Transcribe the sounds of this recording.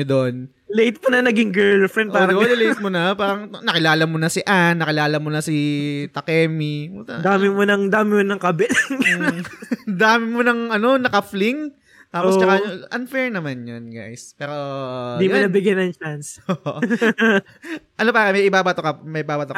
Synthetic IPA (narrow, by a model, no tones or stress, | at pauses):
d̪on | lejt̪̚monɐnɐɡɪŋɡɛɹlfɾɛnd̪ʔpaːɾɐlɐlejt̪̚monɐpaːɾɐŋnɐkɪlaːlɐmonɐsɪʔanːɐkɪlaːlɐmonɐsɪt̪ɐkɛːmiʊt̪ɐd̪aːmɪmonɐŋd̪aːmɪmonɐŋkɐbɛlŋ | d̪aːmɪmonɐŋʔɐno̞nɐkɐflɪŋ | t̪aːost͡ʃɐkaʔɐnfɛɹnɐmanjonɡa̰jspɛːɾo̞d̪ijmonɐbɪɡjɐnɐŋt͡ʃansoː | ʔɐno̞paːɾɐmɐjʔɪbaːbat̪okɐmɐjʔɪbaːbɐt̪o